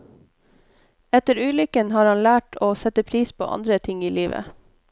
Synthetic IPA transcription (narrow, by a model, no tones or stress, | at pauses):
ɛt̪əɾʉːlʏkənhɑːɾhɑnlæːʈʰoːsɛt̪əpʰɾiːspʰo̰ːʔɑ̰nd̪ɾət̪ʰɪŋiːliːʋə̰